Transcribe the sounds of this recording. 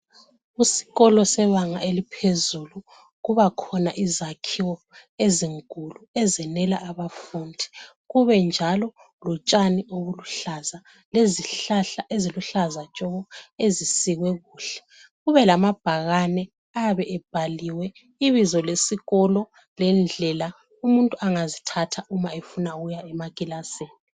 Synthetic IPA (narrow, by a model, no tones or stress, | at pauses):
usi̥ɣɔlɔsɛβaŋaelipʰezulu | ɣuβakʰɔnaʔizakʰiwɔ | eziŋkʼuluɛzɛnɛlaʔːβafundʱi̥ | ɣuβɛnd͡ʒʱalɔ | lɔt͡ʃʼanioβuluɬaza | leziɬaɬaʔeziluɬazat͡ʃʼɔɣɔezisiɣwɛɣuːɬɛ̥ | ɣuβɛlamab̥ʱaɣanɛ | aβɛɛb̥ʱaliwɛ | iβizɔlesiɣɔlɔ | lɛnd͡ɮʱɛla | umuntʼuʔaŋazitʰatʰaumaefunaɣujaɛmakʼilaseːni